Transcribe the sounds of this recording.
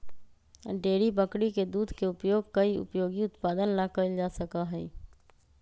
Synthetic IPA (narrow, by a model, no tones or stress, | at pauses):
ɖeːɾibəkɽiked̪uːd̪ʱkeʊpjoːɡkɐiʊ̰pjoːɡiʊt̪paːd̪ənlaːkəld͡ʒaːsɐkaɦɛː